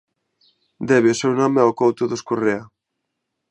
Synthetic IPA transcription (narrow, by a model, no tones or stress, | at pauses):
d̪ɛβeosɛwnɔmeɛokowt̪oðoskorea